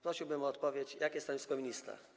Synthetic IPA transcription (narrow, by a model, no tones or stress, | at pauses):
pɾɔɕiwbɘmɔːt̪pɔvʲjet͡ɕjakʲɛst̪aɲʲiskɔmʲiɲist̪a̰